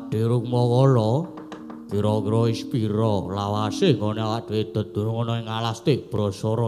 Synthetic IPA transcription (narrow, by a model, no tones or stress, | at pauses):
ɖ̥i̤ɾukmɔkɔlɔ | kiɾɔkiɾɔispiɾɔlawaseŋɡoneawaʔɖ̥iwed̪̥ɔ̤d̪̥ṳnŋonɔeŋalast̪eʔb̥ɾɔsɔɾɔ